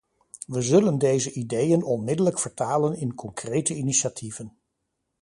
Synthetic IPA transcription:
ʋəzɵləndejzəʔidejənɔnmɪdələkfəɹtaːlənɪnkɔŋkrejtəiniʃatʰivən

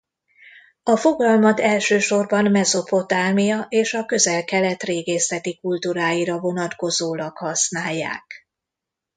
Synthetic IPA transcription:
ɒfo̞ɡɒlmɒt̪ɛlʃøːʃo̞rbɒnmɛzo̞po̞t̪aːmijɒʔeːʃɒkø̞zɛlkɛlɛt̪reːɡeːsɛt̪ikult̪uɾaːjiɾɒvo̞nɒt̪ko̞zoːlɒkhɒsnaːjːa̰ːk

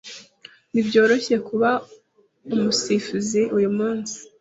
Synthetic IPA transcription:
nibɟo̞ːɾo̞çejekuβa | umusifuziʔujumuːnsi̥

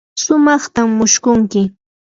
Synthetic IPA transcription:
sʊmɑχt̪amːʊʃkʊŋkɪ

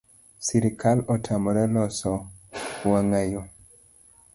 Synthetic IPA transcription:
siɾikʰalɔtʰamɔɾɛlɔsɔwaŋajo

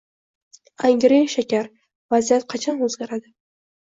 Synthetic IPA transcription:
aŋɡʲɾejʃakʲaɾ | vazijat̪̚qʰɑt͡ʃʰanɵzɡʲaɾad̪ɪ

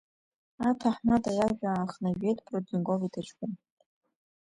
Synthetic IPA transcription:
atʰaħnadajaʒᶣaːχnaɥʷᶣejtʰʼprod͡znɡovitʰat͡ʃkʷʊn

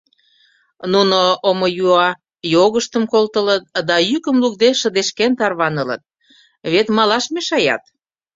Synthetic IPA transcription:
nunoomojuɑ | joɣəʃt̪əmkolt̪ələt̪̚d̪ɑjykəmluk̚d̪eʃəd̪eʃkent̪ɑrβɑnələ̰t̪̚ | βet̪mɑlɑʃmeʃɑjɑ̰t̪

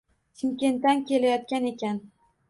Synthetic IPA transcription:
t͡ʃʰimkʲe̞nt̪ːankʲʰe̞lajɒt̪kʲane̞kʲʰan

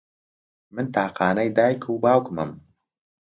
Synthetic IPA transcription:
mɨnt̪aːqɑːnɐjd̪aːjkʰuːbaːwkmɨm

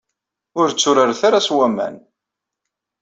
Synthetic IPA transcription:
ʊɾt͡sːʊɾəɾθaɾaswæmæ̰n

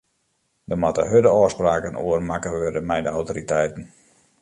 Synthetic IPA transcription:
dəmɔtə̰ɦødəɔːspraːkəno̰ərmakəʋørdəmɛjdəawtoːritɛjtn̩

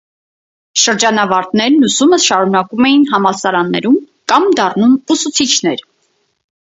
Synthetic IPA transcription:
ʃəɾd͡ʒɑnɑvɑɾt̪nɛɾnusuməsʃɑɾunɑkumɛjinɦɑmɑsɑɾɑnːɛ̰ɾum | kɑmd̪ɑrnumusut͡sʰit͡ʃʰnɛɾ

